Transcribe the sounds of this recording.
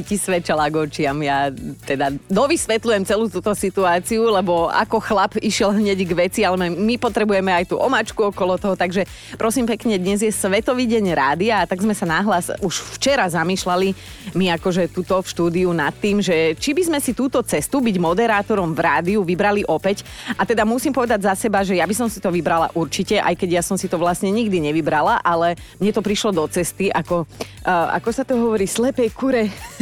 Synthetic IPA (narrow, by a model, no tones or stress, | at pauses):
icisʋɛt͡ʃalaɡɔt͡ʃɪamjat̪ɛd̪ad̪ɔʋisʋɛt̪lujɛmt͡sɛluːt̪uːt̪ɔsit̪uaːt͡siulɛbɔa̰kɔxlapiʃɪɛlɦɲɛɟɡʋɛt͡sialɛmɛmipɔt̪ɾɛbujɛmɛajt̪ṵːʔɔmat͡ʃkuɔkɔlɔt̪ɔɦɔt̪aɡʒɛ | pɾɔsiːmpɛkɲɛd̪ɲɛzjɛsʋɛt̪ɔʋiːɟɛɲɾaːd̪iaːt̪aɡzmɛsanaɦlasuʃft͡ʃɛɾazamiːʃlali | miakɔʒɛt̪ut̪ɔfʃt̪uːd̪iunat̪ːiːmʒɛt͡ʃibizmɛsit̪uːt̪ɔt͡sɛst̪ubiɟmɔd̪ɛɾaːt̪ɔɾɔmvɾaːd̪iuʋibɾaliʔɔpɛc | at̪ɛd̪amusimpɔʋɛd̪aɟzasɛbaʒɛjabisɔmsit̪ɔʋibɾala̰ʔuɾt͡ʃicɛʔa̰jkɛɟjasɔmsit̪ɔʋlast̪ɲɛɲiɡd̪iɲɛʋibɾalaʔalɛ | mɲɛt̪ɔpɾiʃlɔd̪ɔt͡sɛst̪iʔakɔ | ʔa̰kɔsat̪ɔɦɔʋɔɾiːslɛpɛjkuɾɛ